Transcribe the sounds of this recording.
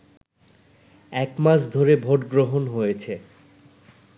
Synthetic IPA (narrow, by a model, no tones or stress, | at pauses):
ɛkmaʃ̬d̪ʱoɾebʱoʈɡɾoɦonɦojet͡ɕʰe